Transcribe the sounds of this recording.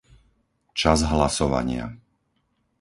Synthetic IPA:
t͡ʃazɦlasɔʋa̰ɲɪa̰

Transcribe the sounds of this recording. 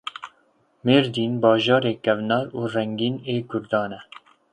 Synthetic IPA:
meːɾd̪iːnbɑːʒɑːɾeːkɛvnɑːɾuːrɛŋɡiːneːɡʊɾd̪ɑːnɛ

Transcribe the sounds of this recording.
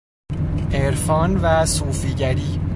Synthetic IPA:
eɾfɒːnvæsuːfiːɟæɾiː

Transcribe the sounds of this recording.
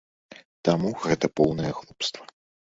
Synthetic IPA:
t̪amuɣɛt̪ɐpɔwnɐjɐɣlˠupst̪vɐ̥

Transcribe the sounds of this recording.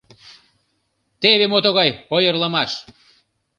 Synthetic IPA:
t̪eβemot̪oɣɑjojərləmɑʃ

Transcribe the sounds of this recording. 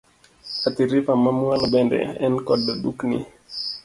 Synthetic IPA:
at̪iɾifamamualɔɓɛndɛ̰ɛnkɔdaɗuknḭ

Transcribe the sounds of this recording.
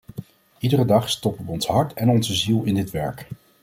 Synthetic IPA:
idərədɑχstɔpəʋəɔnsɦɑɹtɛnɔnzəzilˠɪndɪtʋɛ̰ɹk

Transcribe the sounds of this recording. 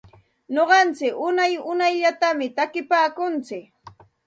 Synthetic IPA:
ɲoɢɑnt͡sɪkʊnajʊnajʎat̪amɪt̪akɪpaːkʊnt͡sɪk

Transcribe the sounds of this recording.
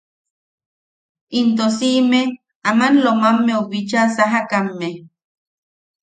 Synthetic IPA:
int̪osiʔme | amanlomamːeoβit͡ʃasaɦakamːe

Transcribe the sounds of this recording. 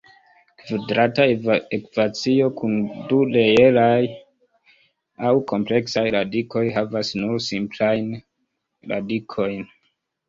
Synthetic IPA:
kvidɾataekvat͡sio̞kʰunduleje̞laj | awko̞mple̞ksajɾadiko̞jɦavasnuɾsimplajn | ɾa̰dikʰo̞jn

